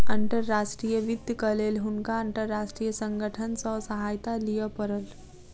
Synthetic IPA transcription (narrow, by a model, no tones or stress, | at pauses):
ɐ̃ɳʈəɾːaːʃʈɾiːjəʋɪd̪ʱjəkɐleːlɦʊnkaə̃ɳʈəɾːaːʃʈɾiːjəsə̃ŋɡəʈʰənsɔsəɦaːjt̪alijəpɐɾəl